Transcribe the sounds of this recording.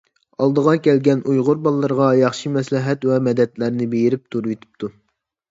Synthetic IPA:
ɑlˠd̪əʁɑkʲɛlɡʲɛnujʁʊɾbɑlˠːəɾʁɑjɑχʃimɛslɪɦɛt̪wɛmɛd̪ɛt̪læɾnɪbejɪɾɪp̚t̪ʰuɾwet̪ʰɪ̥p̚t̪ʰu

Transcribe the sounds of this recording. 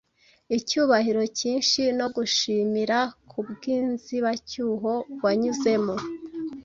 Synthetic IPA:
icuːβahiɾo̞ciːnʃino̞ɡuʃiːmiɾakʰubɡiːnziβacuːɦo̞bwaɲuze̞mo̞

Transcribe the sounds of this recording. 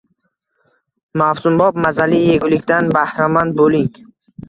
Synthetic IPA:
mafsumbɔb̚mazalieɡulikʲd̪anbahɾamand̪̚boliŋɡ

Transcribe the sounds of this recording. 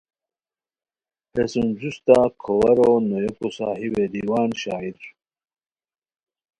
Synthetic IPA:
hesunzust̪akʰowɐɾonojokosa̰ːɦiwed̪iwaːnɕaːid̪su̥

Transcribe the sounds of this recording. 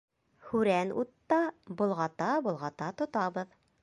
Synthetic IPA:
hʉɾænṵt̪ːɑbŏlˠʁɑt̪ɑbŏlˠʁɑt̪ɑt̪ŏt̪ɑβɤð

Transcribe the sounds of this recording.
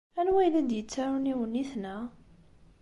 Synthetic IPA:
ænwæjlæd̪jət͡sːaɾuniwənːiθnæ

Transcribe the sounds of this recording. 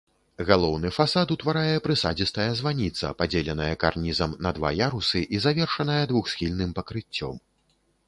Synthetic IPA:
ɣalˠɔwnɨfasat̪ut̪vaɾajɛpɾɨsad͡zʲist̪ɐjɐzvanʲit̪sɐ̰pad͡zʲɛlʲɛnɐjɐka̰rnʲizɐmnɐd̪va̰jaɾusɨʔizavʲɛrʂɐnɐjɐd̪vuxsʲxʲilʲnɨmpɐkɾɨt͡sʲːɔ̰m

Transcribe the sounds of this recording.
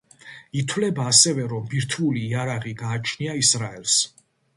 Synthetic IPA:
it̪ʰwlɛbaːsɛvɛɾɔmbiɾt̪ʰuliːaɾaʁiɡaːt͡ʃʰniaisɾaɛls

